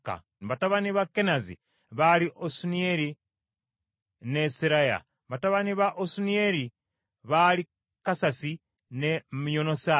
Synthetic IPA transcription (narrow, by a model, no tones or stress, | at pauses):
ka̰ | βataβaniβakːenazḭ | βaliʔosunieɾi | nesiɾaja̰ | βataβaniβaʔosunieɾi | βali | kasasi | nemjonosa